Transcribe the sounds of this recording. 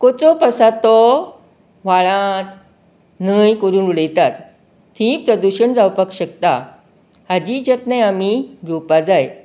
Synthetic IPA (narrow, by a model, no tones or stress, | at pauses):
kot͡sɔpəsat̪ɔ | ʋaɭãt̪ | nəjkəɾuːnuɽejt̪at̪ | t̪ʰĩpɾəd̪uɕənd͡zawpakɕəkt̪a | had͡ʑid͡ʑət̪nãjamiɡʱewpad͡zaj